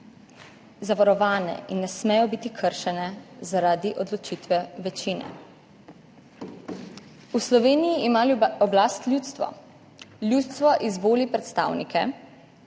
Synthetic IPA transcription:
zaʋaɾɔʋaːnɛ̰inːɛsmɛjɔbit̪ikʰəɾʃɛnɛzaɾaːd̪iʔɔd̪lɔt͡ʃit̪ʋɛʋɛt͡ʃiːnɛ̰ | uslɔʋeːnijiːmalɔblaːst̪lʲjuːt̪st̪ʋɔ̰ | lʲjuːt̪st̪ʋɔʔizboːlipɾɛt̪st̪a̰ːwnikɛ

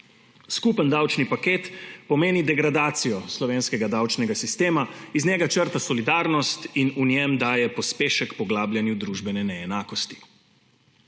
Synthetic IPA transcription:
skupənd̪awt͡ʃnipakeːt̪pɔmeːnid̪ɛɡɾad̪aːt̪sijɔslɔʋeːnskɛɡad̪awt͡ʃnɛɡasist̪eːmaiznɛɡat͡ʃəɾt̪asɔlid̪aːɾnɔst̪inunjɛmd̪aːjɛpɔspeːʃəkpɔɡlaːbljanjud̪ɾuːʒbɛnɛnɛːnaːkɔst̪i̥

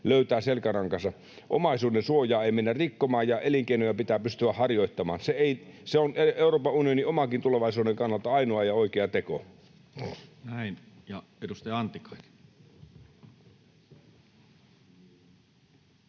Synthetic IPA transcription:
løyt̪æːselkærɑŋkɑsɑ | ʔo̰mɑisuːdensuojɑːeimenːærrikːomɑːjjɑʔeliŋkeinojɑpit̪æːpyst̪yæhɑrjoit̪ːɑmɑ̰ːnseeiseoneeuroːpɑunioniomɑkint̪uleʋɑisuːdeŋkɑnːɑlt̪ɑɑinoɑjɑoikeɑt̪eko̰ | næin | jɑ | edust̪ɑjɑɑnt̪ːikɑ̥it

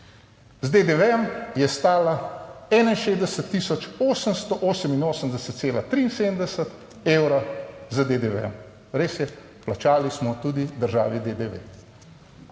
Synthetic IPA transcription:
zd̪ed̪eʋɛɛmjɛst̪aːlaɛːnainʃeːzd̪ɛsət̪ːisɔt͡ʃoːsənst̪ɔʔoːsəminoːsəmd̪ɛsət̪seːlat̪ɾiːnseːd̪əmd̪ɛsət̪ | eːwɾazad̪ed̪eʋɛ̰ɛm | ɾeːsjɛ | plat͡ʃaːlismɔt̪uːd̪id̪əɾʒa̰ːʋid̪ed̪eʋḛ

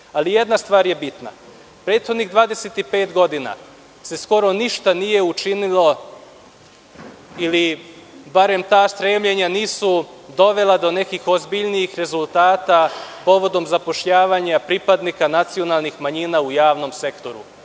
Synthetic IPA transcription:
alije̞d̪nast̪ʋaːɾje̞bit̪na̰ | pɾe̞ːd̪xo̞d̪niɡd̪ʋaːd̪e̞set̪ipe̞ːt̪ɡo̞d̪ina̰ | se̞sko̞ɾo̞niʃt̪anije̞ut͡ʃinilo̞ | ilibaɾe̞mt̪aːst̪ɾeːmʎeɲaniːsu | d̪o̞ʋe̞lˠad̪o̞ne̞kixo̞zbiʎniixɾe̞zulˠt̪aːt̪apo̞ʋo̞d̪o̞mzapo̞ʃʎaːʋaːɲapɾipad̪nikanat̪sio̞nalˠnixmaɲiːnaujaːʋno̞mse̞kt̪o̞ɾṵ

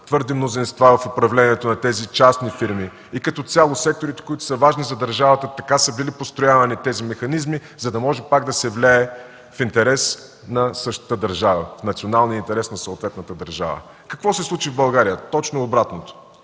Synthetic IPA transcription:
t̪vɤɾd̪imnozinst̪vavɐfopɾɐvlɛniɛt̪onɐt̪ɛzit͡ʃasnifiɾmi | ikɐt̪ɔt̪sʲalˠosɛk̚t̪oɾit̪ɛ̥kʊit̪ʊ̥səvaʒnizɐd̪ɐɾʒavɐt̪ət̪ɐkasəbilipost̪ɾʊjavɐnit̪ɛzimɛxɐnizmi | zɐd̪ɐmɔʒɛpaɡd̪ɐsɛvlʲaɛ | fint̪ɛɾɛs | nɐsɤʃt̪ə̥t̪əd̪ɐɾʒavə̰fnɐt̪sionalˠniəint̪ɛɾɛsnɐsoːt̪vɛt̪nət̪əd̪ɐɾʒa̰və̰ | kɐkvɔsɛslˠut͡ʃivbɐlˠɡaɾijət̪ɔt͡ʃnoːbɾat̪not̪o̥

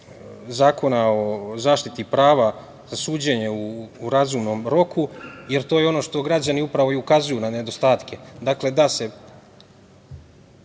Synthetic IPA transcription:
zaːko̞nao̞zaːʃt̪it̪ipɾaːʋa | zasuːd͡ʑe̞ɲe̞uːɾazumno̞mɾo̞kʰuje̞ɾt̪o̞jeo̞no̞ʃt̪o̞ɡɾad͡ʑaniupɾaʋo̞iukazujunane̞d̪o̞st̪aːt̪ke̞d̪akle̞d̪ase̞

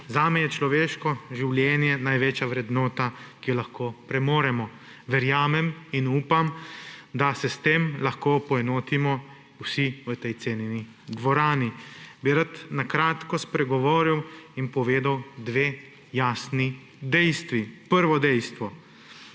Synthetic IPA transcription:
zaːmɛjɛt͡ʃlɔʋeːʃkɔʒiwljɛːnjɛnajʋeːt͡ʃjaʋɾɛd̪nɔːt̪akijɔlaxkoːpɾɛmoːɾɛmɔ | ʋɛɾjaːmɛminuːpamd̪asɛst̪eːmlaxkoːpɔjɛnoːt̪imɔ | wsiʋət̪ɛjt̪seːnini | d̪ʋɔɾaːnibiɾat̪nakɾaːt̪kɔspɾɛɡɔʋoːɾiwinpɔʋeːd̪awd̪ʋeː | jaːsni | d̪ɛjst̪ʋipəɾʋɔd̪ɛjst̪ʋɔ

